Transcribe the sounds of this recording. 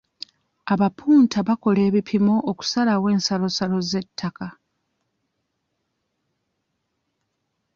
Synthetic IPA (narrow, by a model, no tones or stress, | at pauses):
aβapʰuːntʰaβako̞le̞ːβipʰimo̞ʔːku̥salawe̞ːnsalo̞salo̞ze̞tʰːaka